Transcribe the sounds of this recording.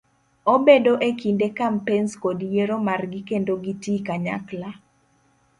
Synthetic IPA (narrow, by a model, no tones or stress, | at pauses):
obedoʔekindekampenskodjeɾomarɡɪkendoɡitikaɲa̰kla